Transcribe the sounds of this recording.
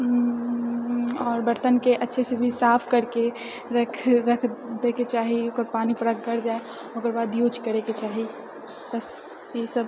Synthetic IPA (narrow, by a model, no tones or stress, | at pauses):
ɔːɾbəɾt̪ənkeʔətːʃʰesebʱisapʰkəɾke | ɾəkʰɾəkʰd̪eket͡ʃaɦiokəɾpanipəɾək̚ɡəɾd͡ʒae | okəɾbad̪jut͡ʃkəɾeket͡ʃaɦi | bəs | esəb